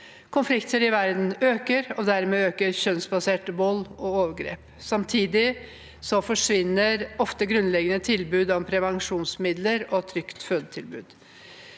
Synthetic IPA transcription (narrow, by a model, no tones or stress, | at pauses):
kʰʊnflɪkt̪ʰəɾɪʋæɾd̪n̩øːkəɾɔd̪æɾmeːøːkəɾçœnsbɑseːʈbɔlːɔoːʋəɾɡɾḛːp | sɑmt̪ʰiːd̪ɪ | sɔfɔʂʋɪnːəɾɔft̪əɡɾʉnlɛɡənət̪ʰɪlbʉːd̪ɑmpʰɾɛʋɑŋʂuːnsmɪd̪ləɾɔt̪ʰɾʏkt̪føːd̪ət̪ʰɪlbʉ̰ːd̪̥